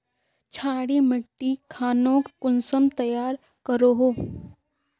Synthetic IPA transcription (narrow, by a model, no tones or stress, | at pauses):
t͡ʃʰaːɽimɪʈːikʰaːnõːkkʊnsəmt̪ɐjaːɾ | kəɾoɦoː